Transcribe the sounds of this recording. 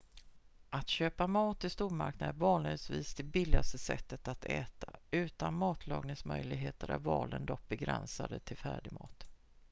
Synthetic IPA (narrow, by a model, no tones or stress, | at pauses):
ʔat̪ɕøːpamɑːt̪ɪst̪uːɾma̰ɾknad̪ənvɑːnlɪɡsviːsd̪ɛbɪlːɪast̪əsɛ̰t̪ːət̪at̪ɛːt̪ʰaʉ̟ːt̪anmɑːt̪ʰlɑːɡnɪŋsmœjlɪɡɦeːt̪əɾæɾvɑːlənd̪ɔk̚bɛɡɾɛnsad̪ət̪ʰɪlfæːɖɪmɑːt̪